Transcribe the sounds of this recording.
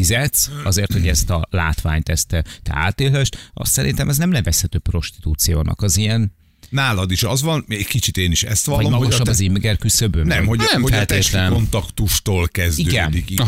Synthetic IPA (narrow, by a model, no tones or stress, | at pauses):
izɛt̪sɒzeːrt̪ho̞ɟɛst̪ɒla̰ːt̪ʋa̰ːɲt̪ɛst̪ɛt̪ɛ̰a̰ːt̪eːlɛʃt̪ɒ̰st̪sɛɾḭnt̪ɛmɛznɛmlɛvɛshɛt̪øːpːro̞ʃt̪i̥t̪uːt̪sijoːnʔɒ̰kɒzijɛn | naːlɒd̪iʃɒzvɒnɛɟkit͡ʃit̪eːniʃɛ̰st̪ʋɒlvɒlomɒɡɡoʃɒbbːɒzimɡɛrkysøbøːnɛmhomfɛlt̪eːt̪lɛmont̪ɒkt̪uʃt̪oːlkɛzdiøɡɛnd̪i